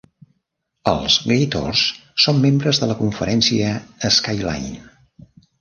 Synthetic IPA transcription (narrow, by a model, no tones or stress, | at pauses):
ə̰lˠzɣejt̪o̰rssomːembɾəzðələkuɱfəɾɛnsiəːskajla̰jn